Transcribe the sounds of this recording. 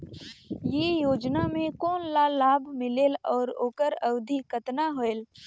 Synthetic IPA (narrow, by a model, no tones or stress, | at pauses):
jeːjoːd͡ʒnamẽkɔːnlaːlːaːbʱmɪleːlɔːɾoːkəɾɐwd̪ʱikət̪naɦoːeːl